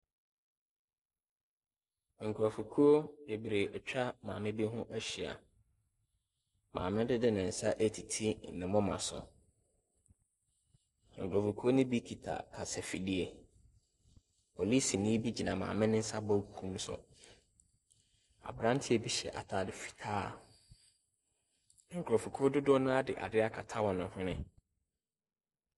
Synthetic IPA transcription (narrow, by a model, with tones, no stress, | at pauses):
ŋ̩˨kʰu˨ɾɔ˨fu˨kʰu˦o˦je˨bi˨ɾe˨ɛ˨t͡ɕᶣa˦mãː˨mɪ̃˦bi˦ɦʊ̃˦ʔæ˦ɕi˨a̰˨ | mã̰ː˨mɪ̃˦dɪ˦dɪ˦nɪ̃˨n̩˨sa˦ʔe˦tʰi˨tʰi˦˨nɪ̃˨mʊ̃˦mã̰˨sʊ̰˨ | ŋ̩˨kʰu˨ɾɔ˨fu˨kʰu˦o˦nɪ̃˦bi˦kʰi˨tʰa̰˨kʰa˨sɛ˨fi˨di˦e˨ | pʰo˨li˦si˨nɪ̃˦bi˦d͡ʑi˨nã˨mã̰ː˨mɪ̃˦nɪ̃˦sa˦bɔ˦˨kʰũ˦m˦sʊ̰˨ | a̰˨bɾã˦n˦tʰɪ˦ɛ˨bi˦ɕɛ̰˨ʔa̰˨tʰaː˨dɪ˨fi̥˨tʰaː˦˨˦ | ŋ̩˨kʰɾɔ˨fu˨kʰo˦dʊ˦dʊ˦nʊ̃˦a˦dɪ̰˨ʔa̰˨dɪ˦a˦kʰa˨tʰa˦wɔ̃˨nʊ̃˨hʊ̃˦nɪ̃˦